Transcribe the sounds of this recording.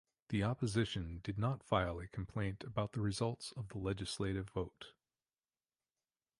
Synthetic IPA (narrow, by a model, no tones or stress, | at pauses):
ðiɑpɨzɪʃɨ̃ndɨdⁿnətfaɪl̩ˠikʰm̩pʰl̥ẽɪ̃ntʰɨbaʊt̪̚ðəɹɨzʌlˠtsʌvðəlɛd͡ʒɨsleɪɾɨvoʊt